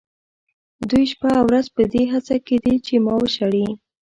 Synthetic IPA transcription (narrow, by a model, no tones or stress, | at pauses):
d̪ujʃpaawɾazpəd̪eɦat͡saked̪et͡ʃemɑwəʃaɽi